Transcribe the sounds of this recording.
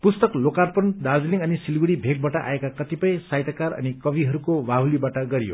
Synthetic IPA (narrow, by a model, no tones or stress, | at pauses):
pust̪ʌklokarpʌnd̪ad͡zliŋʌnisilɡuɽibʱeɡ̚baʈʌʔa̰ekakʌt̪ipʌjsajt̪ʌkarʌ̰nikʌbiɦʌɾukowaɦulibaʈʌɡʌɾijo̰